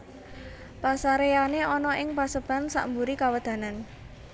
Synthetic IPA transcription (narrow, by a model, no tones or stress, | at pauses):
pasaɾejaneʔɔnɔʔɪŋpasəb̥a̤nsa̰ʔmbuɾikawəd̪̥ä̤nan